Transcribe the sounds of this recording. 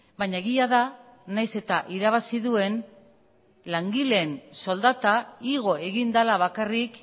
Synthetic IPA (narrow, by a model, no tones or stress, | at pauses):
baɲaeɣiaða | najse̞t̪aʔiɾaβ̞asiðue̞n | laŋɡile̞nso̞ld̪at̪aiɣ̞o̞e̞ɣind̪alaβakarik